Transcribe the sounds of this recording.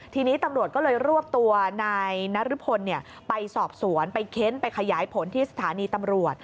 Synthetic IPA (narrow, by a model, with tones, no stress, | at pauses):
t̪ʰiː˧niː˦˥t̪a˧mɾu˨˩ət̪̚kɔː˥˩lɤː˧jɾu˥˩əp̚t̪u˧ɐnaː˧jna˦˥ɾu˦˥pʰo˧nːi˥˩ə | pa˧jsɔː˨˩p̚su˩˦ənpa˧jkʰe˦˥npa˧jkʰa˧jaː˩˦jpʰo˩˦nt̪ʰiː˥˩sḁ˧t̪ʰaː˨˩˦niː˧t̪a˧mɾu˨˩ət̪̚